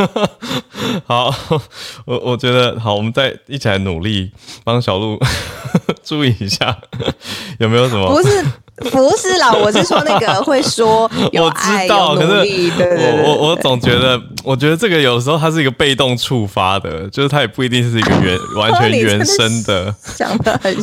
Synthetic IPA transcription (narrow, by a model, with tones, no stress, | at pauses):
xɑ˨˦ʊ | wɔ˨˦wɔ˨˩t͡ɕɥɛ˧˥d̪ə˧xɑ˨˩˦wɔ˨mə˦nt͡sa˥˧ɪi˥˩t͡ɕʰi˨˩la˧˥ɪnṵ˨˩li˥˩pɑ˥˧ŋɕ̬jɑ˨˩ʊlu˥˧ | ʈ͡ʂu˥˧i˥˩i˧˥ɕja̰˥˩ | jo˨˩ʊme˧˥jo˧ʊʂə˨˦mə˧˥˩ | fu˧˥s̩˥˩la˨˩wɔ˨˩˥wna˩ɡə˨˩xwe˥˩ɪʂwɔ˥jwɔ˨˩ʈ͡ʂɻ̩˦t̪ɑ˥˩ʊʊkʰə˨˩ʂɻ̩˥˩ɔ˨˦wɔ˨˦wɔ˧˦t͡sɔ˨˩ŋt͡ɕɥɛ˧˥d̪ə˧wɔ˨˩t͡ɕɥɛ˧˥d̪ə˧ʈ͡ʂɤ˥˩ɡə˩jo˨˩d̪əʂ̬ɻ̩˧xo˥˧˥ʂ̬̩˥˩˧ɡə˧˩pe˥˧ɪt̪o˥˧ŋʈ͡ʂʰu˥˧fa˥d̪ə̰˨t͡ɕjo˥˧ʊʂɻ̩˥˩t̪ʰa˥jɛ˨˩pu˥˩i˧˥t̪i˥˧ŋ̩˥ʂ̩˥˩i˧ɡə̰˧ɥɛ̰˧˦nwa˧˦nt͡ɕʰɥɛ˧˦nɥɛ˧˥nʂə˦˥nd̪ə˨ɕja̰˨˩ŋd̪ə˧ə˨˩n